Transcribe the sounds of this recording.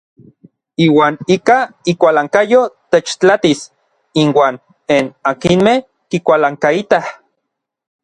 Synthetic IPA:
iːwaːnikaikʷalaŋkajot̪et͡ʃt͡ɬat̪is | inwaːn | enakinmeh | kikʷalaŋkait̪ah

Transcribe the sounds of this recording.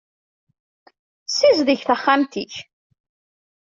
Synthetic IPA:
sizðəçθəχːamt̪iç

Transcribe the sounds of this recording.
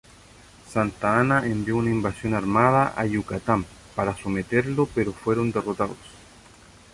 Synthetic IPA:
sant̪aanaʔembjo̞unaimbasjo̞naɾmaðaʔaʝukat̪am | paɾasomet̪eɾlopeɾofwe̞ɾo̞nd̪erot̪aðos

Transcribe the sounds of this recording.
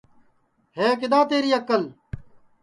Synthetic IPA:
heːk̬ɪd̪aːt̪eːɾiːɐkːɐl

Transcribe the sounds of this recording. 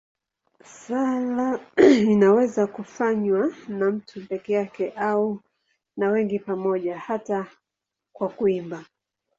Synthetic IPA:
salainawɛzakufaɲwanam̩tʰupɛkɛjakɛʔau | nawɛŋɡipamɔʄahata | kwakuimba

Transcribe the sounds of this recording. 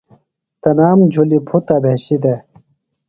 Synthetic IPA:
t̪ɐnaːmd͡ʑʱulipʰut̪abʱeɕid̪e

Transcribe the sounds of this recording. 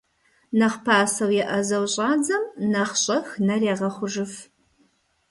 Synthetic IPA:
nɐχpʰaːsɐwjɛʔɐzɐwɕʼɑːd͡zɐmnɐχɕʼɐxnɐreːʁɐχʷʊʒɨf

